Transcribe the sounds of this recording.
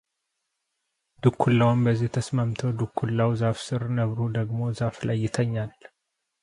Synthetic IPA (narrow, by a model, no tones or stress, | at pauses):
d̪ukʰːulːawmbəzːiht̪ʰəsmamt̪ʰəwd̪ukʰːulːawzafsɨɾnəβɾud̪əɡmo̞zaflajːɪt̪ʰəɲːal